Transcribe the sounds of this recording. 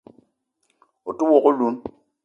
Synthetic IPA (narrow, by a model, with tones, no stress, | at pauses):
o˨tu˦wo˨ko˦lu˦m